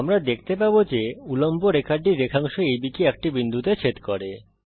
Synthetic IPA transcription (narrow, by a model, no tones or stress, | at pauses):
amɾad̪ek̚ʰt̪epabod͡ʑeulomboɾekaɾɖiɾːekʰaŋʃoejbikeɛk̚ʈibind̪ʱut̪et͡ɕʰet̪koɾe